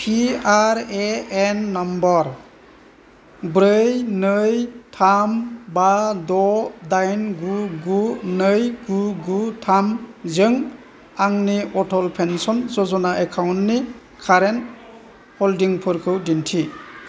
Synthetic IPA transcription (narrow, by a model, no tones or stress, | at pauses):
pʰiaɾeɛnːɔmbɔɾ | bɾɯjnɯjtʰambadɔdajnɡuɡunɯjɡuɡutʰamzɯŋ | aŋniʔɔtʰɔlpʰensɔnzɔzɔnaʔɛkʰawntːi | kʰaɾen | hɔldiŋpʰɯɾkʰɯwdintʰi